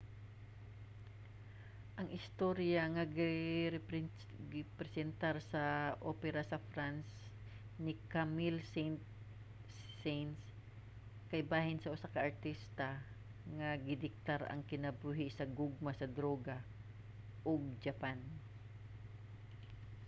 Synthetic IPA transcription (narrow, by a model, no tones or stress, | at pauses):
ʔɐŋʔɪst̪oɾjaŋaɡɪ | ɡɪpɾɛsɛnt̪aɾsɐʔo̰ːpɛɾasɐfɾans | nɪkamɪlsɛnt̪ː | ɛns | kɐjbaːhɪnsɐʔʊsakɐʔːɹt̪ist̪ɐ | ŋaɡɪd̪ɪk̚t̪aɾɐ̰ŋkɪnɐbuːɦɪsɐɡʊɡ̚masɐd̪ɾoːɡa | ʔoɡ̚d͡ʒɐpan